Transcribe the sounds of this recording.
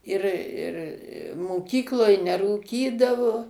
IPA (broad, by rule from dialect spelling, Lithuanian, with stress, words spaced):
ˈɪr ˈɪr moːˈkʲiːklˠoːj nʲɛruːˈkʲiːdɐʋoː